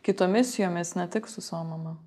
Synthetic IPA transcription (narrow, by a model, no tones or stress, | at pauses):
kʲɪt̪oːmʲɪsʲɪjoːmʲɪsnʲɛt̪ʲɪksʊsɐʋoːmɐmɐ